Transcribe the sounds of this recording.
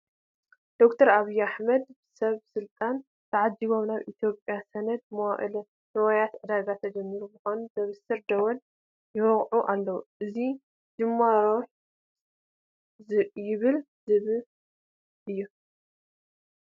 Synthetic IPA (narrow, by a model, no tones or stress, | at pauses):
d̪̥o̞kt̪ʰɐɾaβijaħmɐd̪bɨsɐβsɨlt̪ʼan | t̪ʰɐʕad͡ʒiβo̞mnaβʔḭt̪ʰjo̞pʼjasɐnɐd̪̚mɐwaʔɨ̰l | nɨwajat̪ʕɨd̪aɡat̪ʰɐd͡ʒɐmːiɾubɨxanuzɐβɨsɨɾd̪ɐwɐn | jɪwɐɣʕuʔalːɐwuʔɨzi | d͡ʒɨmːaɾoħ | zɨjɪβɨl | zɨβɨl | ʔɨjːu